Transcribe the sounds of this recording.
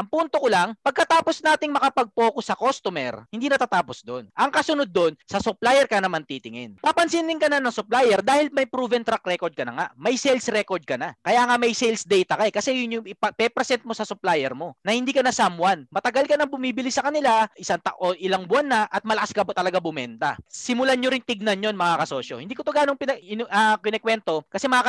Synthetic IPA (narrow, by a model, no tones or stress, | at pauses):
ʔɐŋpunt̪okolaŋpɐɡ̚kɐt̪aːpo̞snaːt̪ɪŋmɐkɐpɐɡ̚po̞ːkosːɐkost̪omɛ̰ɹhɪnd̪inɐt̪aːt̪aːpo̞sd̪o̞nʔɐŋkɐsʊnod̪̚ːo̞nsɐsʊplajɛɾkɐnɐmant̪it̪ɪŋɛnpɐpɐnsinɪŋkɐnɐnɐŋsʊplaːjɛɾd̪aːhɪlmɐjpɾuːvɛnt̪ɾakɾɛkoɾd̪̚kɐnɐ̰ŋa̰ʔmɐjsɛlsɾɛkoɾd̪̚kɐnɐkɐjaːŋamɐjsɛjlsd̪ɛjt̪ɐkɐɛkɐsɛjʊnjʊŋɪppɛpɾɛsɛnt̪̚mo̞sɐsʊplaːjɛɾmo̞nɐhɪ̃nd̪iːkɐnɐsamwanmɐt̪ɐɡalkɐnɐŋbʊmiːbɪlɪsɐkɐnɪlaʔɪsaŋt̪a̰ʔoʔɪlaŋbʊanːɐʔɐt̪̚mɐlɐkaskɐbot̪ɐlɐɡabʊmɛnt̪ɐ̰sɪmʊlaɲoɾɪnt̪ɪɡ̚nɐnjo̞nmɐŋakɐso̞ʃo̰hɪnd̪iːkot̪oɡaːnoŋpɪnɐɪnɐkɪnɛkwɛnt̪o̞kɐsɛmɐŋaːk